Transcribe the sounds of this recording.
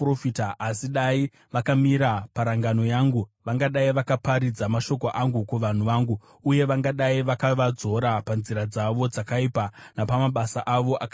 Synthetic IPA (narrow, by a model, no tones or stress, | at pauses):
rofitaasiɗai | ʋakamiɾapaɾaŋɡano̞jaːŋɡuʋaŋɡaɗaiʋakapaɾid͡zamaʃo̞ko̞ʔaŋɡukuʋan̤uʋaːŋɡu | uje̞ʋaŋɡaɗaiʋakaʋad͡zo̞ɾapanziɾad͡zaʋo̞d͡zakaiːpanapamaɓasaʔaʋo̞ʔaka